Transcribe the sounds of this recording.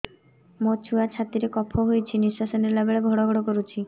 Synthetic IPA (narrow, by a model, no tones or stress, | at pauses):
mot͡ʃʰuat͡ʃʰat̪iɾekɔpʰɔɦojt͡ʃʰiniswasɔniɾlabeɭebʱɔɽɔɡʱɔɽɔkɔɾut͡ʃʰi